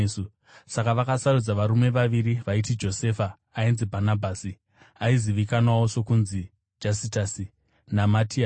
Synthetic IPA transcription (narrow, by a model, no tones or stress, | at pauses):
su | sakaʋakasarud͡zaʋaɾume̞ʋaʋiriʋaitid͡ʒo̞se̞ːfaː | inzibʱanabʱaːsi | aiziʋikanwawo̞so̞kunzi | d͡ʒasitasi | namatia